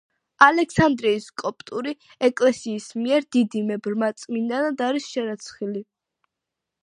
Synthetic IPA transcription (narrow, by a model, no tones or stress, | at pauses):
alɛksand̪ɾiːskʼɔpʼt̪ʼuɾi | ɛkʼlɛsiːsmiɛɾd̪id̪imɛbɾmat̪sʼmind̪anad̪aɾisʃɛɾat̪sʰχili